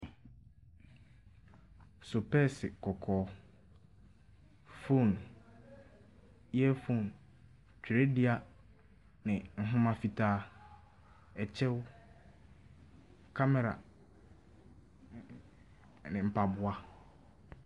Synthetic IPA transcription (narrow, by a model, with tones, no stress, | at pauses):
sʊ˨pʰɛ˦sɪ˨kʰɔ˨kʰɔː˨˦ | fõ˦˨n | jɛ˦fõ˦˨n | t͡ɕᶣʰɾe˦dɪ˦a˦ | nɪ̃˨ŋ̩˨ɦʊ̃˦mã˦fi˨tʰaː˦ | ɛ˨t͡ɕʰɛ˦w | kʰa˦mɛ˨ɾa̰˨ | nɪ̃˨m̩˨pʰa˨bʊ˨a˦